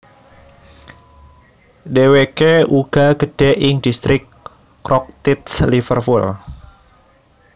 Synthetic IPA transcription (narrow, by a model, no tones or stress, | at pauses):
dewekeuɡ̥aɡəd̥ɛʔɪŋdist̪ɾɪkː | ɾɔk̚t̪it̪slifərpul